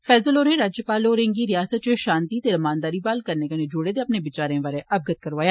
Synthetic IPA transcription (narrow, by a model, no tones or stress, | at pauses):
fɛːzəloːneɾaːd͡ʒjəpaːloɾẽːŋɡiɾɪjaːsət̪̚t͡ʃeʃaːnt̪it̪eɾɐmaːnd̪aːɾibaːlkəɾnekoned͡ʒoːɽeːd̪eɐpnebɪt͡ʃaːɾẽːʋaɾeʔɐb̚ɡət̪̚kəɾʋaːjaː